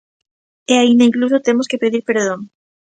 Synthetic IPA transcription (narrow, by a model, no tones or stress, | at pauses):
eaineiŋklus̬ot̪e̞moskepeðiɾpe̞ɾðoŋ